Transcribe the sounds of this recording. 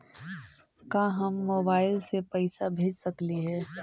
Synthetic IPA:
kãːɦɐmːoːbaːɪlsepɐɪsabʱeːd͡ʒsɐkliɦɛː

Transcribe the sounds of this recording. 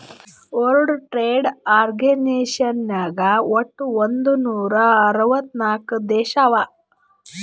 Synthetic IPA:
oɾuɽuʈɾeːɖaːɾɡeneːʃɐnnaːɡɐoʈːuond̪unuːɾɐɐɾuʋɐt̪naːkud̪ɛːʃaʋa

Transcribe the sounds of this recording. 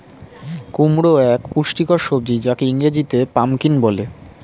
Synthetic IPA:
kumɾoɛkpuʃʈikɔɾʃobd͡ʑid͡ʑakeiŋɾed͡ʑit̪epamkinbɔle

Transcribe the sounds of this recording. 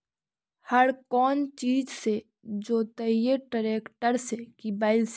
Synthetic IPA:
həɾkɔːnt͡ʃiːd͡ʒse | d͡ʒoːt̪əijeʈəɾeːkʈəɾsekibaːɪls

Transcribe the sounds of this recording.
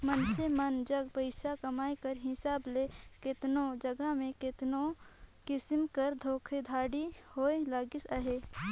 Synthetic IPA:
mənsemənd͡ʒəɡpəɪsakɐmaːekəɾɦɪsaːblekɪt̪nod͡ʒəɡəmẽkɪt̪nokɪsɪmkəɾd̪ʱoːkʰed̪ʱaːɽihoːelaːɡɪsaɦeː

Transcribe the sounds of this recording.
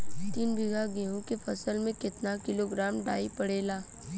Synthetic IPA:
t̪iːnbʱiɡaɡẽːɦõkefʰɐsəlmẽkɪt̪nakɪloɡɾaːmɖaːipɐɽeːlaː

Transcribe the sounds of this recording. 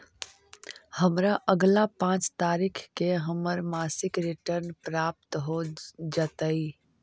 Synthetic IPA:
həmɾaʔəɡlapãːt͡ʃt̪aːɾiːkʰkeɦəməɾmaːsɪkɾɪʈəɾnpɾaːp̚t̪ɦod͡ʒət̪aiː

